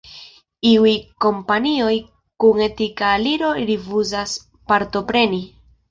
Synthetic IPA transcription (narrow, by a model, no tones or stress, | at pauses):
iujko̞mpanio̞j | kuŋe̞tikaliɾo̞ɾifuzas | paɾto̞pɾe̞ni